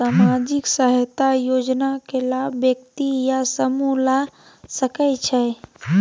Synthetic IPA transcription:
samad͡ʒiksəɦət̪ajod͡ʒnakelabjəkt̪ijasəmula | səkət͡ʃʰɛ

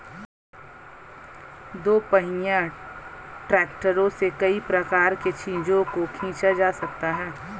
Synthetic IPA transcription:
d̪oːpɐɦɪjã | ʈɾɛːkʈəɾõsekɐipɾɐkaːɾket͡ʃʰĩːd͡ʒõkokʰĩːt͡ʃad͡ʒaːsɐk̚t̪aɦɛː

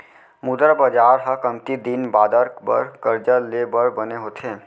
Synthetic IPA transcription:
mud̪ɾəbəd͡ʒaɾɦəkəmt̪id̪inbaːd̪əɾbə̰ɾkəɾd͡ʒəlebəɾbəneɦot̪ʰe

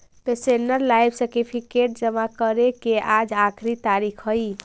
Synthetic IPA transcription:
t̪ɔsenəɾlajbseɾʈipʰikeʈ̚d͡ʒəmakəɾekeʔad͡ʒakʰɾit̪aɾikʰɦəj

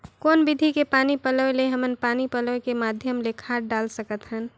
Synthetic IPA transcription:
koːnbɪd̪ʱikepaːnipələeleɦəmənpaːnipələekemaːd̪ʱjəmlekʰaːʈɖaːlsəkət̪ɦən

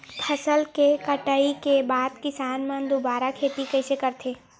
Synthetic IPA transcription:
pʰɐsəlkekəʈəikebaːd̪kɪsaːnmə̃nd̪obaːɾakʰeːt̪ikɐsekɐɾt̪ʰeː

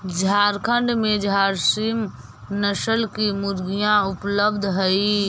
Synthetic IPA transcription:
d͡ʒʱaːɾkʰə̃ɳɖmẽd͡ʒʱaːɾsim | nəʃəlkimʊɾɡijãʊpləbd̪ʱɦəi

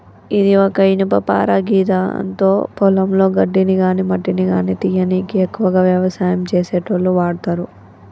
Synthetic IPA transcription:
id̪iɔkɐinipɐpa̰ːɾaɡiːt̪aɐ̰nt̪o̞ːpɔlɐmlo̞ːɡɐɖːiniɡaːnimɐɖːiniɡaːnit̪ijɐnikiekːuʋɐɡaːʋjɐʋɐsaːjɐmt͡ʃeːseːʈɐʋlːuʋaːɽt̪aːɾu

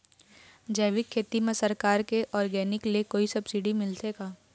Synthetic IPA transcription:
d͡ʒəːʋɪkʰːeːt̪imẽsɐɾkaːɾkeʔɔːɾɡɛːnɪklekoːisɐbsɪɖimɪlt̪eɡaː

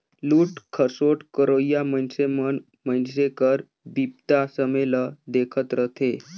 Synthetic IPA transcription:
luːʈkʰəsoʈkəɾojamənsemən | mənsekəɾ | bip̚t̪asəmeləd̪ekʰət̪ɾət̪ʰe

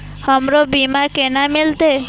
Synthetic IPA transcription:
hɔmɾobimakenamilt̪e

